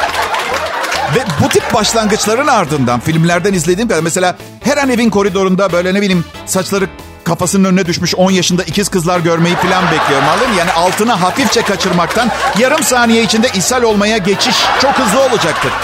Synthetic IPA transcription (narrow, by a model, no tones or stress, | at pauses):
vɛbut̪ʰip̚baʃlˠanɡɯt͡ʃlˠaɾɯnaɾd̪ɯnd̪a̰nfilʲmlʲæɾd̪ænizlʲe̞d̪iːmkʰad̪ɾmɛse̞lʲaː | hɛɾane̞vinko̞ɾid̪o̞ɾund̪abø̞jlʲɛneilʲiːm | sat͡ʃlˠaɾɯ | kʰafasɯnɯnønnɛd̪yʃmyʃo̞njaʃɯnd̪aicʰiz̥kɯzlˠaɾɟø̞ɾme̞jifilʲanbɛclʲijo̞ɾumalːˠɯmjaːniʔalˠt̪ʰɯnaɦafift͡ʃʰɛkat͡ʃʰɯɾmak̚t̪ʰanjaɾɯmsaːnijɛit͡ʃʰind̪ɛʔisælʲo̞lˠmajaɟe̞t͡ʃʰiʃt͡ʃʰo̞khɯzlˠɯo̞lˠud͡ʒak̚t̪ʰɯɾ̥